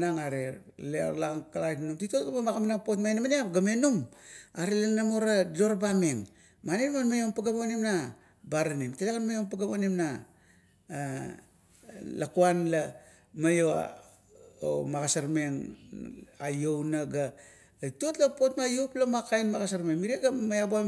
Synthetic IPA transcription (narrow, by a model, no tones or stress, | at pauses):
naŋaɾeɾlea̰ɾlaŋkalajtnumtitotɡabamakamanapotmajnamaneapɡame̞numaɾelanamoɾado̞ɾbameŋ | manenmanmajoŋpaɡamonimna | baɾanimtelakanmajoŋpaɡamonimna | lakuanla | majoa̰ | o̰maɡasaɾme̞ŋ | ajownaɡaː | jto̞tlapo̞tmajuplamakajnmaɡasaɾmeŋmiɾiaɡamajabua